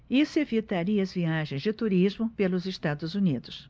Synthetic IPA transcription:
isevit̪aɾiɐɐzviaʒẽj̃zd͡ʒɪt̪uɾizmʊpelʊzest̪ad̪ʊzunid̪ʊs

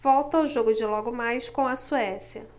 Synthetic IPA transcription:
v̥ɔwt̪ɐʊʒoɡʊd͡ʒɪlɔɡʊmajskõw̃ɐsuɛsjɐ

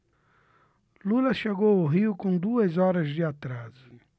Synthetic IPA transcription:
lulɐʃeɡoʊɦiʊkõd̪uɐzɔɾɐzd̪ɪat̪ɾas

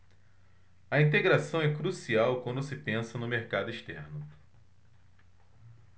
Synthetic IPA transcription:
ɐĩnt̪eɡɾasɐ̃w̃ɛkɾusiawkwɐ̃nd̪ʊsɪpẽsɐnʊmeɾkad̪ʊiʃt̪ɛɾnʊ

